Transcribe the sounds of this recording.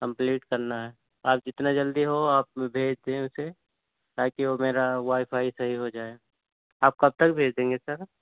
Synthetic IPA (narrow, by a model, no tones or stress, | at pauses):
kɐ̃mpliːʈkɐɾnaɦɛː | aːp̚d͡ʒɪt̪nad͡ʒɐld̪iɦoaːpbʱeːd͡ʒd̪ẽʊse | t̪aːkiomeːɾaʋaːɪpʰaːisɐɦiɦod͡ʒaːeɡ | aːp̚kɐb̚t̪ɐkbʱeːd͡ʒd̪ẽːŋɡesɐɾ